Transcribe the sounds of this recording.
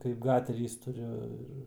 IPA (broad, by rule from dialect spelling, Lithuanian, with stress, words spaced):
kɐɪp ˈɡɑːtʲɛrʲiːs tʊˈrʲʊ ɪr